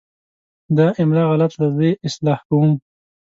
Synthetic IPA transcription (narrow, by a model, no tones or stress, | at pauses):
d̪ɑʔɪmɾɑɣalat̪lazeɪslɑhkawum